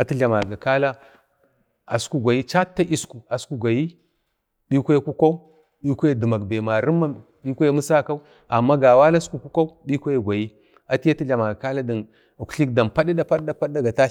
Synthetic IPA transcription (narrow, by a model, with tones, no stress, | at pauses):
a˨ti˦ɮa˨ma˨ɡa˨ka˦la˦ | a̰˨su̥˦ku˦ɡʷa˨ji˦t͡ʃa˦tːa˦ʔi˦sku˨a˨sku˦ɡʷa˨ji˦ | ɗi˦kʷa˦ku˦ka˦u˦ | ɗi˦kʷa˦je˦di˨ma˨ɡbe˨ma˨ɾi˦mːa˦m | ɗi˦kʷa˦je˦mu˦sa˦ka˦u˦ | a˨mːa˦ɡa˨wa˦la˦sku˨ku˦ka˦u˦ɗi˦kʷa˦ja˦˨ɡʷa˨ji˦ | a˨ti˦ja˦ti˦ɮa˨ma˨ɡa˨ka˦la˦di˨n˨ | ku̥˨˦ɬi˦k̚da˨mpa˦ɗi˦da˦pa˦ɗda˦pa˦ɗda˦ɡa˨ta˦